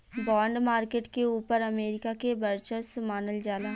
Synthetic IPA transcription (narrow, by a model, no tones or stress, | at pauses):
bɔːɳɖmaːɾkeːʈkeuːpəɾɐmeːɾɪkakebəɾt͡ʃəsmaːnəld͡ʒaːlaː